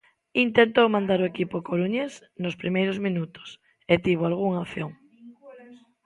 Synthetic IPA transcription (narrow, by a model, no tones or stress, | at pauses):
int̪ent̪owmãnd̪aɾoekipokoɾuɲes | nospɾimejɾozmĩnut̪ʊ̥s | et̪iβ̞oalɣuŋaoθjoŋ